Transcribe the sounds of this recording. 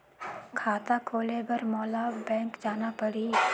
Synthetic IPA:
kʰaːt̪akʰoːlebɐɾmɔːlabɛ̃ːŋkd͡ʒaːnapɐɽiː

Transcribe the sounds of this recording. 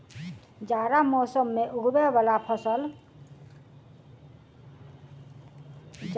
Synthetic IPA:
d͡ʒaɾamɔsəmːeʔuɡʱbebalapʰʌsəl

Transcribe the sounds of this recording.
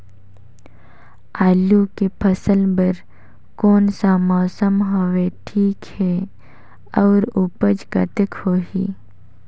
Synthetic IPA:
aːlukepʰəsəlbəɾ | koːnsamɔːsəmɦoweʈʰiːkhɛ | ɔːɾupəd͡ʒkə̰t̪əkhoːɦiː

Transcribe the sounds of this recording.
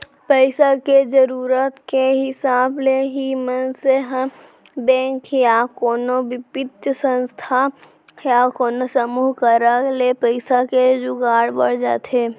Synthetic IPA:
pəɪsaked͡ʒəɾuːɾət̪keɦɪsaːbleɦimənseɦə̃ | bɛ̃ːŋkjakoːnoʋɪpɪt̪jəsə̃nst̪ʰa | jakoːnosəmuːɦkəɾalepəɪsaked͡ʒoɡaːɽbə̰ɽ̤d͡ʒa̰ːt̪ʰeː

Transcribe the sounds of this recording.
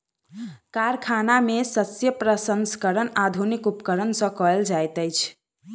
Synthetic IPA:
kaɾkʰanamesəsjəpɾəsənskəɾənad̪ʱunikupkəɾənsə̃kɔeld͡ʒajt̪əjt͡ʃʰ

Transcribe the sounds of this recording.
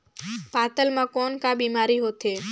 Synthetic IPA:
paːt̪əlmãːkoːnkabiːmaːɾiɦoːt̪ʰeː

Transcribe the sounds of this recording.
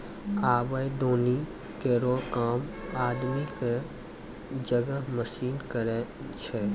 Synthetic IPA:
aːbəjd̪oːni | keɾokaːmaːd̪mike | d͡ʒəɡəməʃiːnkəɾet͡ʃʰe

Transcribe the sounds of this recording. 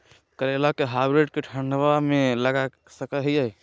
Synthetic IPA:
kəɾelakeɦabɾeɖkeʈʰəɳɖʋameləɡa | səkəɦiəj

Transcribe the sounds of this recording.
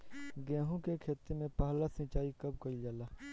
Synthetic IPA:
ɡɛ̃ːɦõkekʰeːt̪emẽpaːɦlasɪ̃ːt͡ʃaːikɐb̚kɐɾid͡ʒaːlaː

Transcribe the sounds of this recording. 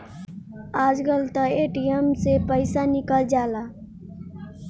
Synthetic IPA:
aːd͡ʒkəlt̪əeʈijəmsepəɪsanɪkəld͡ʒaːlaː

